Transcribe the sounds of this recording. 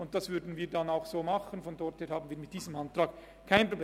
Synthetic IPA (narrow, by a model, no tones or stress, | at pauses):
ʊnt̚d̥asv̥ʏɾdn̩viːdanaʊxsoːmɑχənfɔndɔɾtheːhaːbn̩viːɐmɪt̚d̥iːzəmʔantraːk | kʰaɪnpʁobl